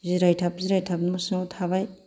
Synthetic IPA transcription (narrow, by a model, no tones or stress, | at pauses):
ziɾajtʰap̚ziɾajtʰapnmusŋowtʰaβaj